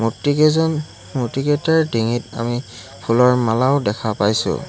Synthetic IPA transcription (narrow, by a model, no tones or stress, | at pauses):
mutikɛzɔn | mutikɛtaɹdiŋita̰mi | pʰulɔɹmalaʊdɛkʰapajsʊ̰